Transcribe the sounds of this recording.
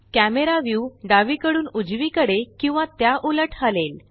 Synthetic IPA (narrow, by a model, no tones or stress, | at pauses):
kæmeɾaʋjuɖaʋiːkəɽuːnud͡zʋiːkəɽekĩw̃ʋat̪jaʔuləʈʰɦalel